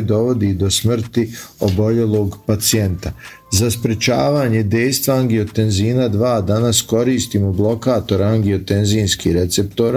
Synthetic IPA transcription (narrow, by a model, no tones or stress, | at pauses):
d̪o̞ʋo̞d̪id̪o̞smr̩t̪io̞̰bo̞ʎe̞lˠo̞ːɡpat̪sie̞nt̪a | zaspɾet͡ʃaːʋaːɲe̞d̪e̞jst̪ʋaaŋɡio̞t̪e̞nziːnad̪ʋaːd̪anasko̞ɾiːst̪iːmoblˠo̞kaːt̪o̞ɾaŋɡio̞t̪enziːnskiɾe̞t̪se̞pt̪oɾ